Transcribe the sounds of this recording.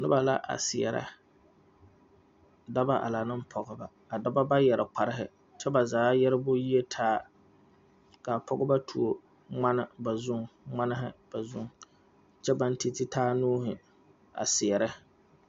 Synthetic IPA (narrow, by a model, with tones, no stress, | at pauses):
nɨ˦ba˨la̰˦ʔa̰˨sɪ˨ɛ̰˨ɾa̰˦ | da˦ba˦ʔa̰˨la˨nɨ˦m̩˦pʰɔ˨ɡɨ˨ba˨ | a˨da˦ba˦ba˦jɛ˨ɾɪ˨k͡pa˨ɾɪ˦ɦɪ̰˨ | t͡ʃɛ˦ba˨zaː˨˦jɛ˦ɾɪ˦bʊ˦ji˦e˦tʰaː˦ | ka˨pʰɔ˦ɡɨ˦ba˦tʰu˨o˨ | ŋ͡ma˦nɪ˦ba˨zʊ˦ŋŋ͡ma˦nɪ˦ɦɪ̰˦b̥a˨zʊ˦ŋ˨ | t͡ʃɛ˦ba˦n˦ti˦tɪ˦tʰaː˦nuː˦ɦɪ˨ | a̰˨sɪ˨jɛ˨ɾɪ˦